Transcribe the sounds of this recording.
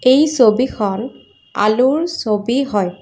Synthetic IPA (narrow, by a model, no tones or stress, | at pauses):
ejsobixʰɔn | a̰luɹsobiɦɔj